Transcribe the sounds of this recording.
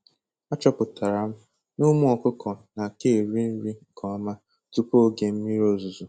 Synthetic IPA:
a˦t͡ʃɔ˦pʊ˨ta˨ɾa˨m̩˦ | nʊ˦mʊ˦ɔ˨kʷʊ˦kɔ˨na˨ke˦˨ɾi˦n̩˦ɾi˦˨kɔ˨a˦ma˦ | tu˦po˦ɡe˨m̩˦mi˦ɾo˦zu˨zu˨

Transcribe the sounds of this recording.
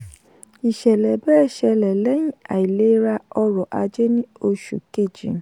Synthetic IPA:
i˨ʃɛ˨lɛ˨bɛː˦˨ʃɛ˧lɛ˨lɛ˨˦jĩ˦a̰˨i˨le˨˦ɾa˧ɔ˧ɾɔ˨ʔa˧d͡ʒe˦nĩ˦o˧ʃṵ˨ke˦˨d͡ʒḭ̃˨˦

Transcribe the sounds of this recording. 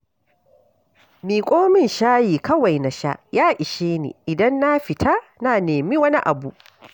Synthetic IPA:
miː˨kʷʼoː˦mɪ˦nʃaː˦jiː˨kɐ˦wa˨jna˨ʃa̰˦ʔjaː˦ʔɪ˨ʃeː˦nḭː˨ʔɪ˨dɐ˦nːa˦ɸɪ˨tʰa˦naː˨neː˨miː˦wɐ˦ni˦ʔa˨bu˦˨ʔ

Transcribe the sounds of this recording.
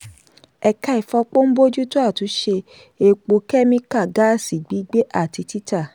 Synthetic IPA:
ɛ˨ka˧i˨fɔ˧k͡po˦n̩˦bo˦d͡ʒu˦to˦a˦˨tu˨˦ʃe˧ | e˨k͡po˧kɛ˦mĩ˧ka˦˨ɡa˨˦˨si˨ɡ͡bi˨˦ɡ͡be˦ʔa˦˨ti˧ti˦ta˦˨

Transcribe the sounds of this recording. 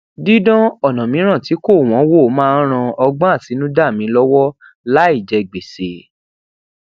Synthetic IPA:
di˦dɔ̃˦ɔ˦˨nã˨mĩ˨˦ɾ̃ã˦˨ti˨˦ko˦˨w̃ɔ̃˨˦wo˦˨˦mãː˦ɾ̃ã˧ɔ˧ɡ͡bã˦a˦˨si˨˦nũ˦da˦˨mĩ˨˦lɔ˦wɔ˦ | la˦i˦˨d͡ʒɛ˧˨ɡ͡be˨se˨

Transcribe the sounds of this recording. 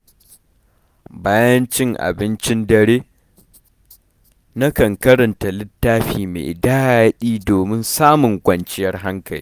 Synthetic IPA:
baː˦jɐ˦nt͡ʃɪ˦ŋʔa̰˨bɪ˦nt͡ʃɪ˦ndɐ˨ɾeː˦ | na˦kɐ˨ŋkɐ˦ɾɐ˨nta˨lɪ˦tːaː˦ɸiː˨mḛː˨ʔɪ˨daː˦a˨ja˦ɗiː˦doː˨mɪ˦nsaː˦mʊ˨ŋkʷɐ˨nt͡ʃɪ˦jɐ˦rɦa˦ŋkɐ˨lḭː˦

